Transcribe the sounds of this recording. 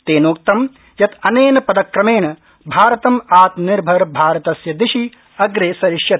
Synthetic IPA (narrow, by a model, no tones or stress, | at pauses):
t̪eːnoːk̚t̪ɐm | jɐt̪ɐneːnɐpɐd̪ɐkɾɐmeːnɐ | bʱaːɾɐt̪ɐmaːt̪niɾbʱɐɾbʱaːɾɐt̪ɐsjɐd̪ɪʃi | ɐɡɾeːsɐɾɪʃjɐt̪̚